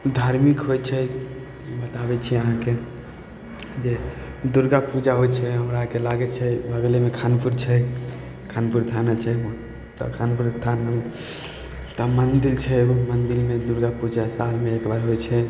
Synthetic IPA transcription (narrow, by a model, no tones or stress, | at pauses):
d̪ʱaɾmikɦojt͡ʃʰɛ | bət̪abɛt͡ʃʰiɛəɦãke | d͡ʒed̪uɾɡapud͡ʒaɦojt͡ʃʰɛɦəmɾaɦãkelaɡɛt͡ʃʰɛbʱəɡlemekʰanpʰuɾt͡ʃʰɛ | kʰanpʰuɾt̪ʰanat͡ʃʰɛ | t̪ə̰kʰanpʰuɾt̪ʰanə | t̪əmənd̪ilt͡ʃʰɛmənd̪ilmed̪uɾɡapud͡ʒasalmeekbaɾɦojt͡ʃʰɛ